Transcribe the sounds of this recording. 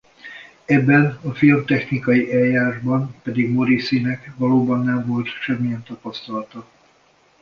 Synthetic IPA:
ɛbːɛnɒfilmt̪ɛxnikɒjiʔɛljaːɾaʒbɒnpɛd̪iɡmo̞ɾisinɛkʋɒloːbɒnːɛɱvo̞lt̪ʃɛmːijɛnt̪ɒpɒst̪ɒlɒt̪ɒ

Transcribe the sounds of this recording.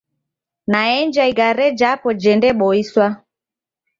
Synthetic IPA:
naɛɲd͡ʒaiɡaɾɛd͡ʒapɔd͡ʒɛndɛɓɔiswa

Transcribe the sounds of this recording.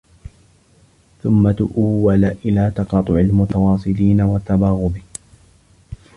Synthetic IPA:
θʊmːat̪ʊʔuwːalaʔɪlaːt̪ɑqɑːt̪ˤʊʕɪlmʊt̪awɑːsˤɨliːnawat̪ːabɑːɣʊbɪ

